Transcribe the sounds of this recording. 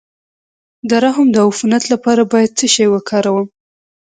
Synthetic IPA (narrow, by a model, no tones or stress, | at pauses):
d̪aɾaɦəmd̪əufunat̪lapɑɾabɑjad̪̚t͡səʃɑjwəkʰɑɾawəm